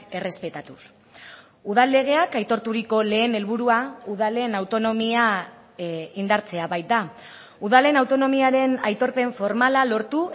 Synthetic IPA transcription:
e̞re̞spe̞t̪at̪us | uð̞alːe̞ɣ̞e̞akajt̪o̞ɾt̪uɾiko̞le̞ːne̞lβuɾuauðale̞nawt̪o̞no̞mia | ind̪aɾt͡se̞aβajt̪̚d̪a | uðale̞nawt̪o̞no̞miaɾe̞najt̪o̞ɾpe̞ɱfo̞ɾmalalo̞ɾt̪u

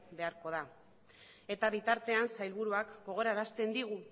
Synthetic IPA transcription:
be̞aɾko̞ð̞a | e̞t̪aβit̪aɾt̪e̞ansajlβuɾuakɡo̞ɣ̞o̞ɾaeɾast̪e̞nd̪iɣ̞u

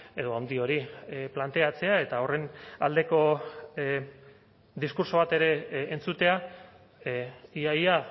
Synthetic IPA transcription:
e̞ðo̞awnd̪io̞ɾiplant̪e̞at͡se̞ae̞t̪ao̞re̞na̰ld̪e̞ko̞ | d̪iskuɾso̞βat̪e̞ɾe̞ːnt͡sut̪e̞a | iaja

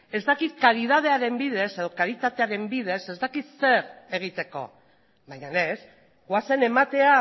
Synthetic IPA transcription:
e̞zd̪akit̪kaɾiðað̞e̞aɾe̞mbiðe̞se̞ð̞o̞kaɾit̪at̪e̞aɾe̞mbið̞e̞se̞zt̪akit̪se̞ɾe̞ɣ̞it̪e̞ko̞̰ | βajɲane̞s | ɡwase̞ne̞mat̪e̞a

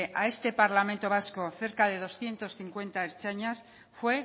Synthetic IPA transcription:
ʔae̞st̪e̞paɾlamẽnt̪o̞β̞asko̞θe̞ɾkaðe̞ð̞o̞sθje̞nt̪o̞sθiŋkwe̞nt̪aeɾt͡ʃaɲas | fwe̞

